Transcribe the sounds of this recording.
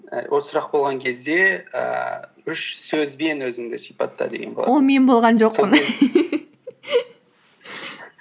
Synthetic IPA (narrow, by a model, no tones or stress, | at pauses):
wosʊɾɑq̚bo̞lˠʁɑŋkʲʰe̞zd̪e̞ə̰ | ʏʃsɵzbe̞nwɵzɪŋd̪ɪsijpɑt̪ːɑ̰d̪e̞ɡʲenbolˠɑwome̞nbo̞lˠʁɑnʒo̞qpːən